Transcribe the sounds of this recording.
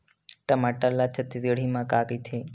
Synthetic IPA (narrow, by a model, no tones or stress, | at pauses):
ʈəmaʈəlat͡ʃʰət̪ːizəɽ̤imãkaːkit̪ʰe